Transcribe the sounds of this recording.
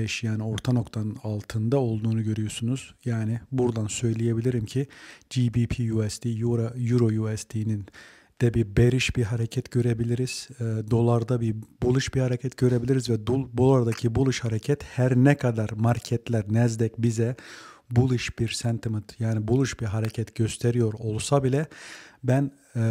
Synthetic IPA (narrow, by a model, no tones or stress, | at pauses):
bɛʃjaːnio̞ɾt̪ʰano̞kt̪ʰanɯnalˠt̪ʰɯnd̪ao̞lˠd̪uːnuɟø̞ɾyjo̞sunuz̥jaːnɪbuɾd̪ansø̞jlʲije̞bilʲiɾimcʰid͡ʒibipʰijuɛst̪ʰijuɾajuɾo̞juɛst̪ʰinin | d̪̥ɛbibe̞ɾiʃbiɦaɾecʰɛt̪ɟø̞ɾe̞bilʲiɾiz̥ɛːd̪o̞lˠaɾd̪abibulˠɯʃbihaɾecʰɛt̪ɟ̥ø̞ɾe̞bilʲiɾizvɛd̪ubo̞lˠaɾd̪acʰibulˠɯʃhaɾecʰɛt̪hæɾnɛkʰad̪aɾmaɾcʰɛt̪lʲæɾnɛzd̪ɛcbizɛbulˠɯʃbiɾsɛnt̪ʰimɯt̪jaːnibulˠɯʃbiɾɦaɾecʰɛt̪ɟ̥ø̞st̪ʰe̞ɾijo̞ɾo̞lˠsabilʲɛbæn